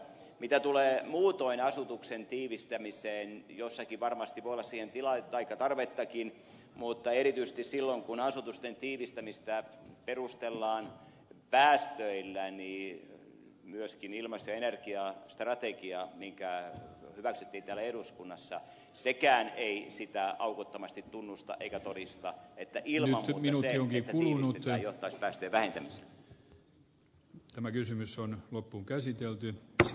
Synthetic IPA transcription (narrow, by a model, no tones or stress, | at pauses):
mit̪æt̪uleːmuːt̪oinɑsut̪uksent̪iːʋist̪æmiseːnjosːɑkiʋʋɑrmɑst̪iʋoijolːɑsiːhent̪ilɑt̪ɑikːɑt̪ɑrʋet̪ːɑkin | mut̪ːɑerit̪yise̥st̪issilːoŋkunɑsut̪ust̪ent̪iːʋist̪æmist̪æperust̪elːɑːn | pæːst̪øilːæni | myøskinilmɑst̪ojɑenerkiɑst̪rɑt̪ekiɑmiŋkæhyʋæksyt̪ːiːnt̪ælːæeduskunːɑsːɑ̰ | sekæːneisit̪æʔɑukut̪ːomɑst̪it̪t̪unːust̪ɑ̰ʔḛikæt̪odist̪ɑet̪ːæʔilmnyɑmːminukioŋkik̪ːulunut̪joht̪ːˑɑispæːst̪øːʋæhent̪æmisḛlːæ | t̪æmækysymysonlopːuŋkæsit̪elt̪y